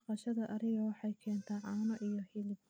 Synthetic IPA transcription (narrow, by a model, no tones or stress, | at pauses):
qɑʃɐðɐʔɐɾɪɣɐwɑħɑjkʰɛːnt̪ʰaːʕɑːnɔʔijɔhɪlɪb